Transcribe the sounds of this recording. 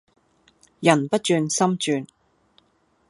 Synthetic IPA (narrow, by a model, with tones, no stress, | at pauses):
jɐ˨˩npɐ˥t̚t͡ʃyː˧nsɐ˥mt͡ʃyː˧n